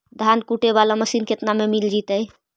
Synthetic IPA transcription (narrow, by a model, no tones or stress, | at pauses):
d̪ʱankuʈeβalaməsinket̪namemild͡ʒit̪əj